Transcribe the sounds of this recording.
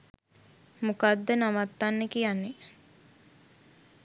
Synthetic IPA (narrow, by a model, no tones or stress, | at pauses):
mukad̪ːənaʋat̪ːanːekijanːe